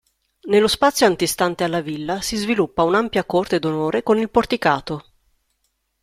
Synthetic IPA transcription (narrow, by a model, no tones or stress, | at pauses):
nelːospat̪sːjoant̪ist̪ant̪ealːavilːasizvilupːaunampjakort̪ed̪onoːɾekonilport̪ikaːt̪o